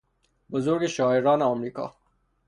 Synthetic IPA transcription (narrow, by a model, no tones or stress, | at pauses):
bozoɾɡeʃɑːeɾɑːneɔmɾiːkɒ̰ː